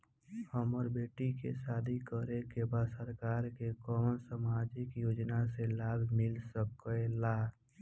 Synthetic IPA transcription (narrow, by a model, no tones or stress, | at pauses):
həmɔːɾbeːʈikḛsaːd̪ʱikəɾekebaːd̪səɾkaːɾkekɔːmənsəmaːd͡ʒikjoːd͡ʒnaselaːbʱmɪlsəkelaː